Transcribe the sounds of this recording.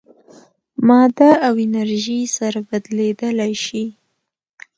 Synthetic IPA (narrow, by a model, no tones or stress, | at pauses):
mɑd̪aawɪnaɾʒisaɾabad̪led̪əlajʃi